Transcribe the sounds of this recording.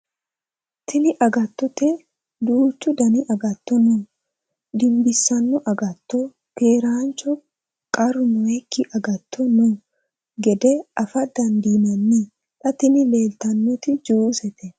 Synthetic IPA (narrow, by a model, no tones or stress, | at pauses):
t̪ʰɪnɪʔɐɡɐt̪ːɔt̪e | d̪uːt͡ʃːʊd̪ɐnɪʔɐɡɐt̪ːɔnʊ | d̪ɪmbɪsːɐnːɔʔɐɡɐt̪ːɔ | keːɾaːnt͡ʃɔ | kʼɐɾʊnɔekːɪʔɐɡɐt̪ːɔnʊ | ɡɛd̪ɛɐfɐd̪ɐnd̪iːnɐnːi | ᶑɐt̪ɪnɪleːlt̪ɐnːɔt̪ɪd͡ʒuːsɛt̪ɛ